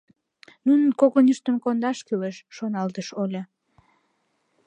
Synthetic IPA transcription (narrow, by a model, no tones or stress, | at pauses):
nunənkoɣonyʃt̪əmkond̪ɑʃkyleʃːonɑlt̪əʃolʲe